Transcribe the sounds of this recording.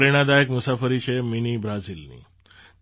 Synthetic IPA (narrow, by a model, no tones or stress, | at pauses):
ɾeɽ̃ad̪ajekmusafəɾit͡ɕʰeminibɾad͡zilnḭ